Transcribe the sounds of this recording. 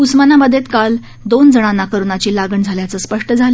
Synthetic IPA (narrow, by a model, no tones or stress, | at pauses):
usmənaməd̪ʱjet̪kal | d̪ond͡zəɽ̃anːakəɾunat͡ɕiːlaɡəɳd͡zʱaljat͡səːspəʂʈəd͡zʱalə